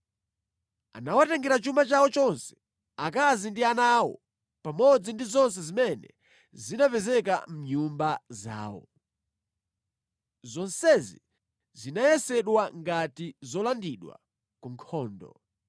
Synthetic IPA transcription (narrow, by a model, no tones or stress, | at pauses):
a̰nawatɛŋɡɛɾat͡ʃumat͡ʃawɔt͡ʃɔnsɛ̥ | akazindianawɔ̰ | pamɔd͡zindizɔns̬ɛzimɛnɛ̰ | zinapɛzɛka̰m̩ɲumbaza̰ːwɔ̰ | zɔnsɛzi | zinajɛsɛɗwaŋɡatizɔlandiɗwa̰ | kuŋkʰɔːndɔ̰